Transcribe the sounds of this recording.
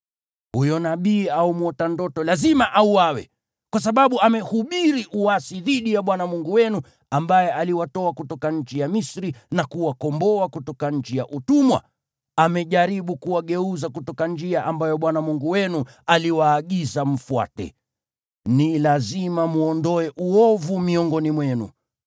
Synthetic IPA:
hujɔnaɓiːaumwɔtandɔtɔlazimaʔauwawɛ̰ | kwas̬aɓaɓuamɛhuɓiɾiʔuwasiðiɗijaɓwanamuŋɡuwɛnu | ambajɛʔaliwatɔakutɔkaɲ̩t͡ʃijamisɾinakuwakɔmbɔakutɔkaɲ̩t͡ʃijaʔutumwa̰ | amɛʄaɾiɓukuwaɠɛuzakutɔkand͡ʒiaʔambajɔɓwanamuŋɡuwɛnu | aliwaːɠizam̩fua̰tɛ̰ | nilazimamuɔndɔɛʔuɔvumiɔŋɡɔnimwɛnṵ

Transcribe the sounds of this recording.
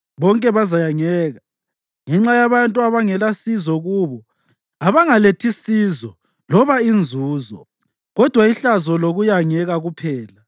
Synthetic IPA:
βɔŋkʼɛβazajaŋɛːɣa | ŋɛŋ͡ǁajaβantʼuaβaŋɛlasizɔɣuːβɔ | aβaŋaletʰisizɔ | lɔβaind͡zʱuːzɔ̰ | ɣɔd̥ʱwaiɬazɔloɣujaŋɛɣaɣupʰɛːla

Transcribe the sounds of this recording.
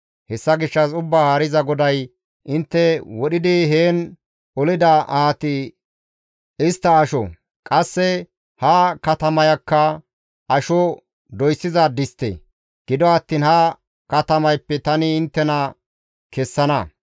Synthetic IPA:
hɛsːɐɡɪʃːɐs̬ʊbːaːhaːɾɪzɐɡɔd̪ɐj | ʔɪnt̪ːɛwɔɗɪd̪ɪɦeːn | ɔlɪd̪ɐʔaːt̪ɪ | ɪst̪ːɐːʃɔ̰ | kʼɐsːɛ | hɐkɐt̪ɐmɐjɐkːɐ | ɐʃɔ | d̪ɔjsːɪzɐd̪ɪst̪ḛː | ɡ̥ɪd̪ɔɐt̪ːiːnhɐ | kɐt̪ɐmɐjpːɛt̪ɐnɪɪnt̪ːɛnɐ | kɛsːɐnɐ

